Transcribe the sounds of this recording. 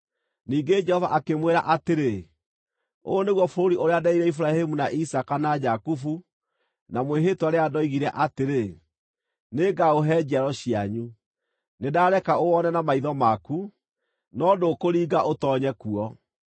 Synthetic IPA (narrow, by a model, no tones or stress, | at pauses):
niːɡed͡ʒɛhɔvaʔakemweɾa̰ʔateɾe | o̰ːneɣwɔfoɾoɾiʔoɾeadaiɾɛifuɾahemunaʔisakanad͡ʒakufu | namweɦetwaɾeadɔiɣiɾɛʔateɾe | neːɡaoɦɛːd͡ʑiaɾɔɕiaɲu | nedaɾɛkaowɔnɛnamaiðɔmaku | nɔdokoɾiːɡaʔotɔɲɛkuɔ